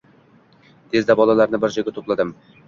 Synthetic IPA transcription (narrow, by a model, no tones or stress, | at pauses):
d̪̥ʰezd̪ɛbɒlˠɑlˠɑɾnɪbɪɾd͡ʒjɡʲɛt̪ʰoplˠɨd̪ɨm